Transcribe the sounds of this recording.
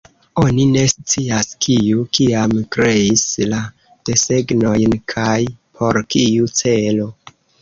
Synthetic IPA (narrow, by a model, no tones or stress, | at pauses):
o̞nine̞st͡siaskʰiukiamkɾe̞isla | d̥e̞se̞ɡno̞jnkʰajpʰo̞ɾkiut͡se̞lo̞